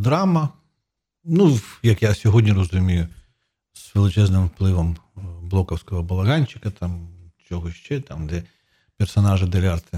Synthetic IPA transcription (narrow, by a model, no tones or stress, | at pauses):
d̪ɾamɐ | nujɐkjasʲɔɦɔdʲnʲirɐzʊmʲijʊ | z̥ʋelˠɪt͡ʃɛznɪmwplˠɪʋɐmblˠɔkɐwsʲkɔɦɐbɐlˠɐɣanʲt͡ʃɪ̥kɐt̪ʰɑmt͡ʃʲɔɦɔʃt͡ʃɛt̪amd̪ɛ | pʲɛrsɐnɑʒɪd̪elʲart̪ɪ